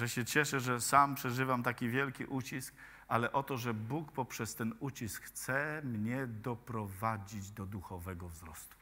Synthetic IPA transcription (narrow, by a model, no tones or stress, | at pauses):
ʐɛɕɛt͡ɕɛʂɛʐɛsampʂɛʐɘvamt̪akʲivʲjɛlkʲḭʔut͡ɕisk | ʔalɛʔɔt̪ɔʐɛbukpɔpʂɛst̪ɛnut͡ɕiskxt̪sɛmɲɛd̪ɔpɾɔvad͡ʑid͡ʑd̪ɔd̪uxɔvɛɡɔvzɾɔst̪u̥